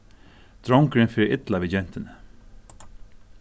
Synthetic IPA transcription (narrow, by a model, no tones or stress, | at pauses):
d̪̥ɾɔŋkɾɪnfɪːʔɪt̪laʋɪd͡ʒɛn̥t̪ɪnə